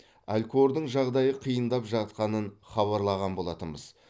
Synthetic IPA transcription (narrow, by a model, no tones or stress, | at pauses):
ælʲkoɾd̪əɴʒɑʁd̪ɑjəqʰijənd̪ɑpʒɑt̪̚qɑnənχɑβɑɾlˠɑʁɑnbo̞lˠɑt̪əmbəz̥